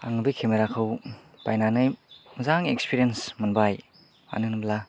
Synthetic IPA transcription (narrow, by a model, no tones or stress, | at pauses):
a̰ŋbikʰemeɾakʰɯw | pa̰jnanɯjmɐzaŋekspiɾiensmɐnbaj | a̰nɯnɯbla